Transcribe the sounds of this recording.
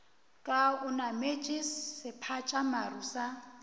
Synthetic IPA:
kʼaʊnamet͡ʃʼɪsːɪpʰat͡ʃʼamaruːsa

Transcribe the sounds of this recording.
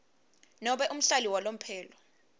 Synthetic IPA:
nɔɓɛʔum̩ɬaliwalom̩pʰɛːlɔ

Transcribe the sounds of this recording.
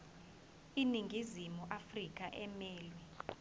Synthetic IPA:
iniŋɡʱizimuʔafrik̬ʼaʔɛmɛːlwɛ

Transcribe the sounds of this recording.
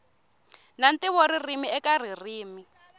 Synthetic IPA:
nantiβɔɾirimiɛkar̤ir̤iːmi

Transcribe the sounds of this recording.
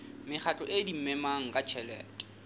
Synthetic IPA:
mɪk͡xʰat͡ɬʼɔʔedimɛmaŋ̩kʼat͡ʃʰɛlɛ̰ːtʼɔ̥

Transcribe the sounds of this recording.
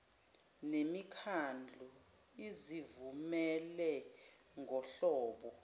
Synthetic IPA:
nemikʰand͡ɮʱu | izivumɛlɛ | ŋʱɔɬɔːɓɔ

